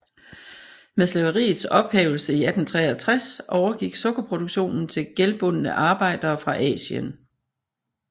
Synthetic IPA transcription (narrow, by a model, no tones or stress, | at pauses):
meðslɛʊɐʁḭːð̩ˠsɒ̽b̥hḛːʊl̩səiæd̥n̩t͡sʰʁɛːæt͡sʰʁasʔɒʊɐɡ̥iɡ̥sɔ̽ɡ̥ɐpʰʁo̝d̥oɡ̥ɕo̝̰ːnn̩t͡sʰe̝lɡ̥elb̥ɔ̽nənəʔɑ̈ːb̥ɑ̈ɪ̰d̥ɐːfʁɑ̈ʔɛ̰ːɕə̰n